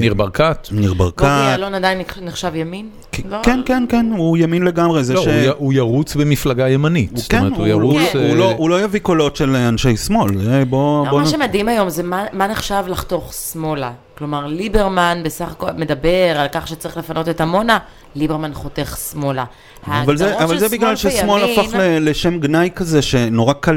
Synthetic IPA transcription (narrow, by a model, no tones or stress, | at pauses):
niʁbaʁkat̪niʁbaʁkalonadajinniχʃavjamin | kkɛnkenkenujaminle̞ɡamʁezeʃejujaʁut͡sbemiflaɡajemanitstkoemeeujaʁuut͡suloulo̞javiko̞lo̞tʃelanʃejsmo̞lebobomaʃemadimajo̞mzemamane̞χʃavlaχto̞χsmo̞laklo̞maʁlibe̞ʁmanbe̞saχako̞lme̞dabe̞ʁalkaχʃet͡saʁi̥χle̞fano̞te̞tamo̞na | libeʁmanχo̞te̞χsmo̞la | haavalzeavalzebiɡlalʃesmo̞laaχleleʃemɡnajkazeʃe̞noʁakal